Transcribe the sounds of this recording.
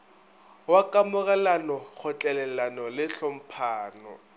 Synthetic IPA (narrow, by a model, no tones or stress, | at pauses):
wakʼamʊɣʼalanɔk͡xʰʊt͡ɬʼɛlɛlanɔlɪɬɔm̩pʰaːnɔ̰